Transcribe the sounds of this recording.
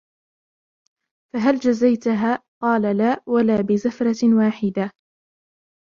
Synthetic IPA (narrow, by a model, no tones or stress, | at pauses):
faɦald͡ʒazajt̪ɦaːqɑːlalaːwalaːbɪzafɾˤɑwaːħɪd̪a